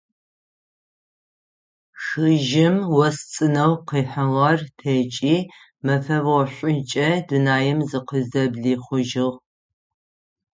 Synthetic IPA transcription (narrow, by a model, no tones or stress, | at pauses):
ʃɨʒɪmwɔst͡sʼɨnɐwqiːħɐʁɐrtʰet͡ʃʼiː | mɐfɐvɐɕʷʼʊt͡ʃʼɐdɨnaːjɛmzɨqəzzɐbɮiːχʷʊʒɪʁ